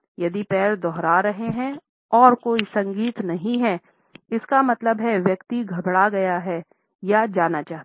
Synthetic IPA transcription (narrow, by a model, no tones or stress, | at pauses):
jɐd̪ipɛːɾd̪ɔɦɾaɾɐɦeɦɛ̃ | ɔːɾkoːisɐ̃ŋɡiːt̪nɐɦĩɦɛː | ɪskamɐt̪ləbɦɛʋjɐkt̪iɡʱɐbɽaɡɐjaɦɛ | jad͡ʒaːnat͡ʃaːɦt̪ː